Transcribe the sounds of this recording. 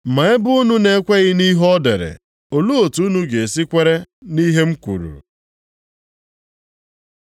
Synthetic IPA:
ma˨˦ɪ˦bʊ˦ʊ˦nu˦ne˦kʷe˦ɣɪ˦ni˦ɦɔ˦dḛ˨ɾḛ˨ | o˨lu˦o˨tu˨˦nu˦ɡe˨e˨si˦kʷe˦ɾe˦ni˦ɦe˦m̩˦kʷṵ˨ɾṵ˨

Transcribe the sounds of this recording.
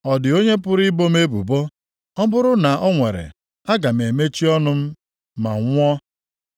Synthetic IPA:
ɔ˨dɪ˨o˦ɲe˦pʊ˦ɾi˦bo˦me˦bṵ˨bo˦ | ɔ˦bʊ˦ɾʊ˦na˨ʔɔ˦ŋʷe˨ɾḛ˨ | a˦ɡa˨m̩e˨me˦t͡ʃi˦ɔ˦nʊ˦m̩˦ | ma̰˨ŋʷ˦ɔ˦

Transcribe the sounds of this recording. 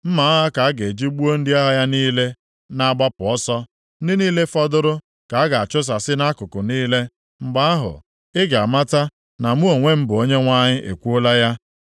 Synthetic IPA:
m̩˦ma˨a˦ɦa˦ka˨a˦ɡe˨d͡ʒi˦ɡ͡bu˦o˦n̩˦dɪ˦a˦ɦa˦ja˦niː˦le˦ | na˦ɡ͡ba˦pʊ˨ɔ˦sɔ˦ | n̩˦dɪ˦niː˦le˦fɔ˦dʊ˦ɾʊ˦ | ka˨a˦ɡa˨a˨t͡ʃʊ˦s̬a˨sɪ˦na˦kʊ˨kʊ˨niː˦le˦ | ŋ͡m̩˨ɡ͡ba˦a˦ɦʊ̰˨ | ɪ˦ɡa˨ma˦ta˦ | na˨mu˦o˨ŋʷe˦m̩˦bʊ˨o˦ɲe˦ŋʷa˦ɲɪ˦ʔḛ˨kʷu˦o˦la˦ja˦

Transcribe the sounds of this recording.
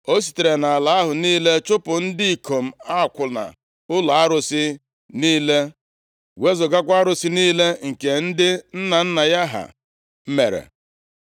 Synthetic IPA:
o˦s̬i̥˨te˨ɾe˨na˨a˨la˨a˦ɦʊ˨niː˦le˦t͡ʃʊ˦pʊ˨n̩˦dɪ˦i˨kʰo˨m̩˨a˦˨kʷʊ˨na̰˨ | ʊ˦la˨a˦ɾʊ˨sɪ˦ | niː˦le˦ | we˦zʊ˨ɡa˦kʷa˦ɾʊ˨si˦niː˦le˦ŋ̩˨ke˨n̩˦dɪ˦n̩˦na˨n̩˦na˨ja˦ɦa̰˨ | m̩˦me˨ɾḛ˨

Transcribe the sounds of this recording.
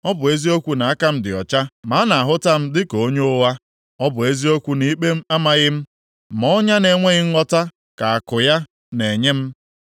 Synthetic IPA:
ɔ˦bʊ˨e˦zi˦o˦kʷu˨na˨a˦ka˦m̩˦dɪ˨ɔ̰˨t͡ʃa˦ma˨˦na˨a˨ɦʊ˦ta˦m̩˦dɪ˦ko˨o˦ɲ˦o˦wa˦ | ɔ˦bʊ˨e˦zi˦o˦kʷu˦ni˦k͡pe˦m̩˦a˦ma˨ɣɪ˦m̩˦ | m˨ɔ˦ɲa˦ne˨ŋʷe˦ɣɪ˦ŋ̩˦ŋʷɔ˦ta˦ | ka˨a˨kʊ˨ja˦ | ne˨ɲe˦m̩˦

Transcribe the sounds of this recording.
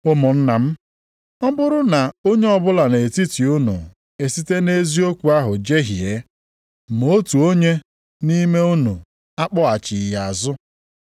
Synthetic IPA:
ʊ˦mʊ˨n̩˦na˨m̩˦ | ɔ˦bʊ˦ɾʊ˦na˨o˦ɲe˦ɔ˦bʊ˦la˨ne˨e˨ti˦ti˨ʊ˦nṵ˨ | e˨si˦te˦ne˦zi˦o˦kʷu˨a˦ɦʊ˨d͡ʒe˦ɦi˨e˨˦ | m˨o˦tu˨o˦ɲe˦ | ni˦me˦u˦nu˨ | a˦k͡pɔ˦a˨t͡ʃɪ˨ja˨a˨zʊ˦

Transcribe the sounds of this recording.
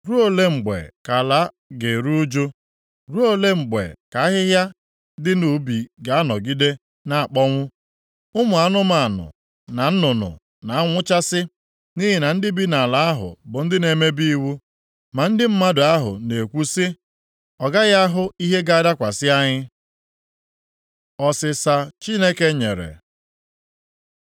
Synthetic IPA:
ɾu˦o˨le˦ŋ͡m̩˨ɡ͡bḛ˨ka˨la˨˦ | ɡe˨ɾu˦d͡ʒo˦ | ɾu˦o˨le˦ŋ͡m̩˨ɡ͡bḛ˨ka˨a˦ɦɪ˦ɦja˦ | dɪ˦nu˨bi˨ɡa˨a˦nɔ˨ɡi˦de˦ | na˦a˨k͡pɔ˦ŋʷʊ˦ | ʊ˦mʊ˨a˦nʊ˦ma˨nʊ̰˨ | na˨n̩˦nʊ˨nʊ̰˨ | na˨a˦ŋʷʊ˦t͡ʃa˦sɪ˦ | ni˦ɦɪ˨na˨n̩˦dɪ˦bi˦na˨a˨la˨a˦ɦʊ̰˨bʊ˨n̩˦dɪ˦ne˨me˦bi˦i˦wu˦ | ma˨n̩˦dɪ˦m̩˦ma˦dʊ˨a˦ɦʊ̰˨ne˨kʷu˦sɪ˦ | ɔ˨ɡa˦ɣa˦ɦʊ˦i˦ɦe˦ɡa˦a˦da˦kʷa˨sɪ˦a˦ɲɪ˦ | ɔ˨sɪ˨sa˨t͡ʃi˦ne˦ke˦ɲḛ˨ɾḛ˨

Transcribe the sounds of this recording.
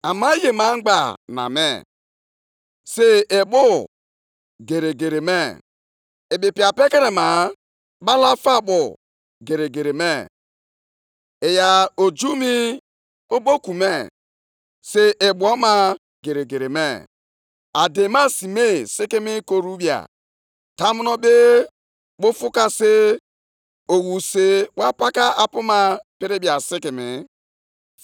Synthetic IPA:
a˨ma˦je˨ma˨˦ŋ͡m̩˦ɡ͡ba˨na̰˨mḛ˦˨ | se˦e˨ɓo˦ | ɡe˨ɾe˨ɡe˨ɾe˨me˦˨ | e˨bi˨pi˨a˨pe˦ke˦ɾe˨ma˨ | ba˦la˦fa˦ɓo˨ | ɡe˨ɾe˨ɡe˨ɾe˨me˦˨ | e˨ja˨o˨d͡ʒu˦mi˦ | o˦bo˦ku˨me˦ | se˦ʔe˨bʷɔ˦ma˦ | ɡe˨ɾe˨ɡe˨ɾe˨me˦˨ | a˨de˨ma˦si˨me˦˨sɪ˦ki˦mi˦ko˨ɾu˦bja̰˨ | ta˦mu˦nɔ˦be˦ | k͡po˦fu˦ka˦se˦ | o˨wu˨se˦wa˦pa˦ka˦a˨pʊ˦ma˦pi˦ɾe˦bja˨sɪ˦kɪ˨mɪ̰˨

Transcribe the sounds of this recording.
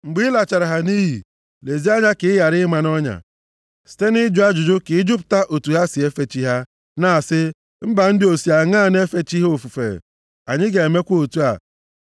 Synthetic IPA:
ŋ͡m̩˨ɡ͡bi˦la˨t͡ʃa˨ɾa˨ɦa˨ni˦ɦḭ˨ | le˨zi˦a˦ɲa˦kɪ˨ɪ˦ja˨ɾɪ˦ma˨nɔ˦ɲa̰˨ | si̥˨te˦ni˦d͡ʒu˨˦a˦d͡ʒʊ˨d͡ʒʊ˦kɪ˨˦d͡ʒʊ˦p̬ʊ̥˨ta˦ʔo˨tu˨ɦa˦si˨e˦fe˨t͡ʃi˦ɦa˦ | na˦˨sɪ˦ | m̩˦ba˨n̩˦dɪ˦o˨si˨a˨ŋa˦˨ne˦fe˦t͡ʃi˦ɦe˦o˦˨fu˨fḛ˨ | a˨ɲɪ˦ɡe˨e˨me˦kʷo˨tu˦a̰˨

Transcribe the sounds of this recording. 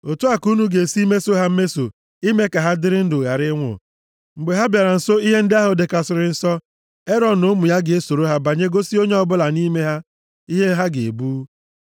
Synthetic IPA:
o˨tu˦a˦ku˦nu˦ɡe˨si˦me˦so˦ɦa˦m̩˦me˦so̰˨ | i˦me˦ka˨ɦa˦dɪ˦ɾɪ˦n̩˦dʊ˨ɣa˨ɾɪ˦ŋʷʊ̰˨ | ŋ͡m̩˨ɡ͡be˨ɦa˦bja˨ɾa˨n̩˨so˦i˦ɦe˦n̩˦dɪ˦a˦ɦʊ˨de˨ka˨sʊ˨ɾɪ˨n̩˨sɔ˦ | e˦ɾɔ˨nʊ˦mʊ˨ja˦ɡɪ˨e˦so˨ɾo˦ɦa˦ba˨ɲe˦ɡo˦si˦o˦ɲe˦ɔ˦bʊ˦la˨ni˦me˦ɦa˦ | i˦ɦe˦ɦa˦ɡe˨e˨buː˦

